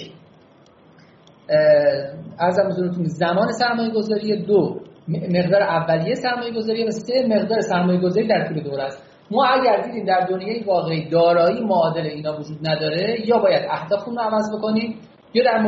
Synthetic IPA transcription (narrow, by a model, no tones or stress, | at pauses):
æɾzæmbezuɾet̪ʰunzæmɒːne̞sæɾmɒːje̞ɡo̞zɒːɾijed̪ome̞ɣd̪ɒːɾeʔævːælijesæɾmɒːje̞ɡo̞zɒːɾijevæse̞me̞ɣd̪ɒːɾesæɾmɒːje̞ɡo̞zɒːɾiːd̪æɾt̪ʰuːle̞d̪oɾæst̪ | mɒːæɟæɾd̪iːd̪iːmd̪æɾd̪o̞njɒːjevɒːɣeiːd̪ɒːɾɒːiːmoːd̪e̞leiːnɒːvod͡ʒuːd̪̚næd̪ɒːɾe̞jɒːbɒːjæd̪æhd̪ɒːxuːnroævæzbo̞ko̞niːm | jɒːd̪æɾm